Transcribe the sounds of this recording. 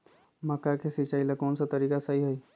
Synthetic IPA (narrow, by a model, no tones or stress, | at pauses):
məkːakesit͡ʃailekɔːnsat̪əɾiːkasəɦiɦəj